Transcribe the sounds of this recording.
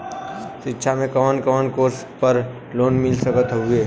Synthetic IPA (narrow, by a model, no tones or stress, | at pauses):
ʃɪtːʃʰamẽkəʋənkəʋənkoːɾs | pəɾ | loːnmɪlsəkət̪ɦʊeː